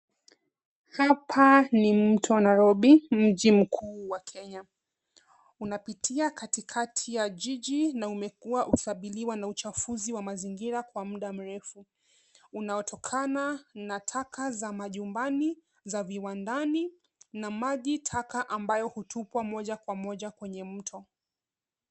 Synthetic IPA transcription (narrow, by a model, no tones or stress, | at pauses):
hapʰanim̩tʰɔwnajɾɔɓim̩ʄim̩kʰuːwakʰɛɲa | unapitʰiakatikʰatʰijaʄiʄinaumɛkuaʔuki̥kaɓiliwanaut͡ʃafuziwamaziŋɡiɾakwam̩ɗam̩ɾɛfu | unajɔtɔkʰananatʰakʰazamaʄumbani | zaviwandani | namaʄitʰakaʔambajɔhutupwamɔʄakwamɔʄakwɛɲɛm̩tʰɔ